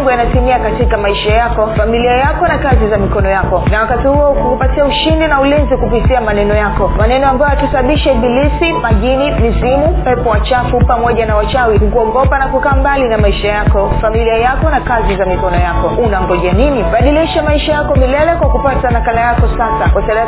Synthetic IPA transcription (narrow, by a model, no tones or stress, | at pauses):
ŋɡujanatimiakatikamaiʃajakɔfamiliajakɔnakazizamikɔnɔjakɔnawakatihuɔkukupatiauʃindinaulinzikupitiamanɛnɔjakɔmanɛnɔambajɔakisaɓaɓiʃaɓilisimaʄinimizimupɛpɔwat͡ʃafupamɔʄanawat͡ʃawihukuɔɠɔpanakukaːmbalinamaiʃajakɔfamiliajakɔnakazizamikɔnɔjakɔunaŋɡɔʄaniniɓaɗiliʃamaiʃajakɔmilɛlɛkwakupatanakalajakɔsasakwasaa